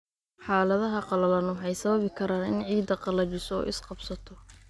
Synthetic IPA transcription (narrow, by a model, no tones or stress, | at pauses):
ħaːlɐðɐɦɐqɑlɐlɐnħɛjsɐβɐβɪkʰɐɾaːnɪnʕiːd̪ɐqɑlɐt͡ʃɪsɔɔ̰ːʔɪsqɑbsɐt̪ʰɔ